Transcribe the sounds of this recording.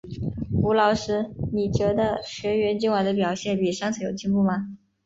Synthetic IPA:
u˧˥lɑ˧˥ʊʂɻ̩˥ni˨˩t͡ɕɥɛ˧˥d̪ə˧ɕɥɛ˧˥ɥɛ˧˥nt͡ɕi˥˩ŋwa˧˥ɪd̪ə˧p̬jɑ˨˩ʊɕjɛ˥˩npi˨˩ʂŋt͡sʰa˧˥jo˨˩ʊt͡ɕi˥ŋpu˥˩mɐ˩

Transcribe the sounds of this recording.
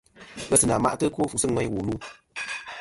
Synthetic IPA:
kə˦˧sɨ˨na˨ma̰˦ʔtɨ˦ko˦fu˨sɨ˦ŋʷɛ˦ɲ˦wu˨lu˦

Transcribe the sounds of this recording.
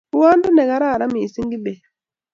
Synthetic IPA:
u˦wa˦ndu˦nɛ˨ɣa˨ɾa˦˨ɾa˦miː˨si˦ŋɡi˦be˨

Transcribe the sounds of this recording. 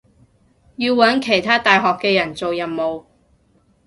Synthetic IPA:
jiː˧wːɐ˨˥nkʰe˨˩jt̪ʰaː˥t̪aː˨jɦɔː˨kːɛː˧jɐ˨˩nt͡so˨wjɐ˨˩nmo˨w

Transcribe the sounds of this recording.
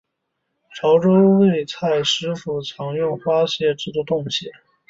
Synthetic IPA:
ʈ͡ʂʰɑ˧˥ʊʈ͡ʂo˥ʊwe˥˩˧ɪt͡sʰa˥˩ɪʂɻ̩˧˥fu˧˥t͡sʰɑ˧˥ŋɥʊ˥˩nxwa˥ɕjɛ˥˧ʈ͡ʂɻ̩˥˧t͡s̪u˥˧˩t̪ʊ˥˧ŋɕjɛ˥˩

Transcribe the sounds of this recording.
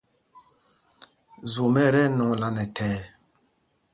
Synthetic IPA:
zu˨mɛ˦ɾɛ˦nɔ˨ŋla˦nɛ˨tʰɛː˨˦

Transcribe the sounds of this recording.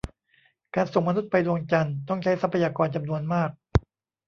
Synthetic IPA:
kaː˧nso˨˩ŋma˧nu˦˥t̪̚pa˧jdu˧əŋt͡ɕa˧nt̪ɔ˥˩ŋt͡ɕʰa˦˥jsa˦˥pʰa˧jaː˧kɔː˧nt͡ɕa˧mnu˧ənmaː˥˩k̚

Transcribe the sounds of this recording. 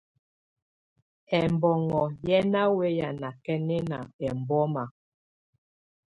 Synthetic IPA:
ɛ˨m˨bɔ˨ŋɔ˨jɛ˦na˦we˦ja˨na˨kɛ˦nɛ˦na̰˨ɛ˨m˨bɔ˦ma˨

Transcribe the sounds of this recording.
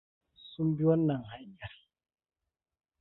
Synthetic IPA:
su˦mbi˦wɔ˦nːa˨ŋha˨˦ɲa˨ɾ

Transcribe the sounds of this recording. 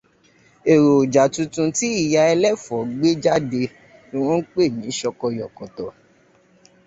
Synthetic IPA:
e˨ɾo˨d͡ʒa˨tũ˧tũ˧ti˦i˦˨ja˧ɛ˧lɛ˦˨fɔ˨ɡ͡be˦d͡ʒa˦de˧ | o˧w̃ɔ̃˦n̩˦k͡pe˦˨nĩ˨˦ʃɔ˧kɔ˧jɔ˨kɔ˨tɔ˨

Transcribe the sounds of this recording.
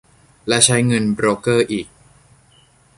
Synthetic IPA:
lɛ˦˥t͡ɕʰa˦˥jŋɤ˧nbɾoː˦˥kɤː˥˩ʔiː˨˩k̚

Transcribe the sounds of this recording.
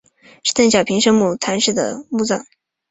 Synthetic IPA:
ʂɻ̩˥˧t̪ə˥˩ŋɕjɑ˨˩ʊpʰi˧˥ŋʂɤ˥ŋmu˥˩t̪ʰa˧˥nʂɻ̩˥˩d̪ə̰˩mu˥˧t͡sɑ̰˥˩ŋ

